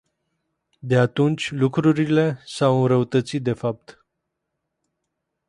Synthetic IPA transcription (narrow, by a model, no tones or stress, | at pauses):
d̪e̞at̪unt͡ʃʲlukɾuɾile̞sawɨnɾəut̪ət̪sit̪̚d̪e̞fap̚t̪